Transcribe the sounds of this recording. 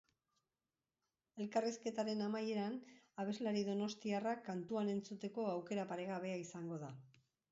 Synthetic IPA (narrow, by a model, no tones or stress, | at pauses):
e̞lkariske̞t̪aɾe̞namaje̞ɾanaβ̞e̞zlaɾiðo̞no̞st̪iarakːant̪uane̞nt͡sut̪e̞ko̞awke̞ɾapaɾe̞ɣaβ̞e̞aisaŋɡo̞ða